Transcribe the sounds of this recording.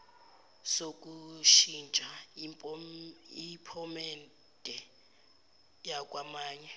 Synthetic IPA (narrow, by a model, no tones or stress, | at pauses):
sok̬ʼuʃint͡ʃʼa | ipʰɔmɛn | tʼɛ | jak̬ʼwamaːɲɛ